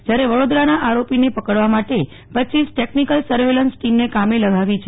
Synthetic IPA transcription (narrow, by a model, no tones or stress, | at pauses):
d͡ʒjaɾeʋəɽod̪ɾanaʔaɾopinepəkəɽʋamaʈe | pətːt͡ʃisʈeknikəlsəɾʋelənsʈimnekameləɡʱaʋit͡ʃʰe